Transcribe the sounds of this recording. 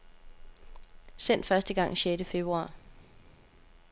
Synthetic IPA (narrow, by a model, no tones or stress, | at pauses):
sen̰d̥fɶɐsd̥əɡ̥ɑ̈ŋ̰ɕedəfe̝b̥ʁuɑ̈ː